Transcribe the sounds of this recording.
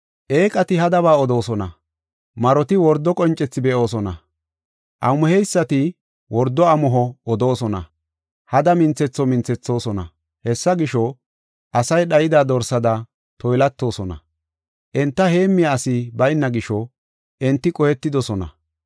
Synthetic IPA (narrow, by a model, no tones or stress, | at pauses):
ʔe̞ːkʼɐt̪ɪɦɐd̪ɐβaːɔd̪o̞ːsɔnɐ̰ | mɐɾɔt̪ɪwɔɾd̪ːɔkʼɔnt͡ʃʼːɛt͡sːɪbɛʔo̞ːs̬ɔnɐ | ʔɐmːʊhɛjsːɐt̪ɪ | wɔɾd̪ːɔɐmɔɦɔɔd̪o̞ːsɔnɐ̰ | hɐd̪ɐmɪnt͡sɛt͡sːɔmɪnt͡sːɛt͡sːo̞ːsɔnɐ̰ | hɛsːɐɡɪʃɔ | ʔɐsɐjɗɐjɪd̪aːd̪ɔɾsɐd̪ɐ | t̪ɔjlɐt̪ːo̞ːsɔnɐ̰ | ʔɛnt̪ːɐhe̞ːmːɪjaːsɪbɐjnːɐɡɪʃɔ | ʔɛnt̪ːɪkʼɔhɛt̪ːɪd̪ɔsɔnɐ̰